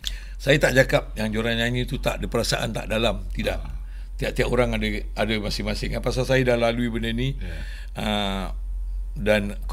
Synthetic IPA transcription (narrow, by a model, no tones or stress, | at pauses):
sajat̪aʔd͡ʒakap̚jaŋd͡ʒoɾaɲaɲĩt̪ut̪a̰ʔdəpəɾasaʔa̰nt̪a̰ʔdalamt̪idaʔ | t̪iaʔt̪iakoɾaŋadəadəmasɪŋmasɪŋapasalsajadahlaluibənəni | ə | dan | k